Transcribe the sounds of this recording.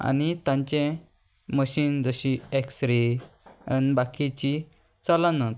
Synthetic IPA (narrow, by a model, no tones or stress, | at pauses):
a̰nit̪ãɲt͡ɕẽ | məɕiːnd͡zəɕieksɾe | nbakʰit͡ɕi | t͡sɔlanə